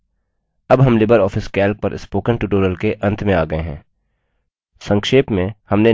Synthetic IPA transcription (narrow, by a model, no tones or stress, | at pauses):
ɐbɦɐmlɪbəɾɔːfɪskɛːlk̚pɐɾʔɪ̰spoːkə̃ɳʈuːʈoːɾəlkeʔɐ̃nt̪ʰmẽaːɡɐeɦɛ̰̃ː | sɐ̃ŋkʃeːpmẽhɐmne